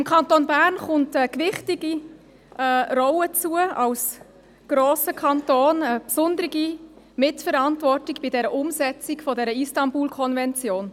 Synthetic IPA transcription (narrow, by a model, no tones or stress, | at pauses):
ɪmkʰɑntonbæɾnχʊntɛkʋɪχtɪɡi | ɛːɾɔʊət͡suəɑʊs | ɡ̥ɾoːsəkʰɑntoːnəpsʊndəɾɪɡi | mɪtfəɾɑntvɔrtɪkb̥ɪdɛɾəʔʊmsɛt͡sɪkfɔdɛɾəistɑmbuːlkʰɔnvɛnt͡sjoːn